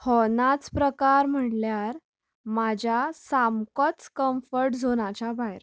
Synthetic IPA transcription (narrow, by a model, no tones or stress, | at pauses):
hɔnat͡spɾəkaɾm̤əʈljaɾ | mad͡ʑʱasamkɔt͡skəmfəɾʈd͡zʱonat͡ɕabajɾ